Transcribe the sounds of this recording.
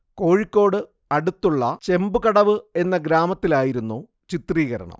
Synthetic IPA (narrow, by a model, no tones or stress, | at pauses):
ko̞ːɻikʲːo̞ːɽɨ | ɐɽut̪ːuɭːɐt͡ɕe̞mbukɐɽɐʋɨe̞nːɐɡɾaːmɐt̪ːilaːjiɾunːu | t͡ɕit̪riːɣɐɾɐ̰ɳɐ̰m